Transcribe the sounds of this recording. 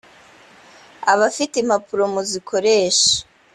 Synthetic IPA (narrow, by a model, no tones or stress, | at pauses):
aβafitem̥apuɾo̞muzikʰo̞ɾeːʃḁ